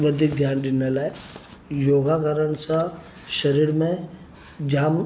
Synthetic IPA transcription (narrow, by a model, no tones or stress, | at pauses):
ʋɐd̪ʱik̚d̪ʱjaːnd̪ɪnelaːe | joːɡakəɾənsã | ʃəɾiːɾmẽ | d͡ʒaːm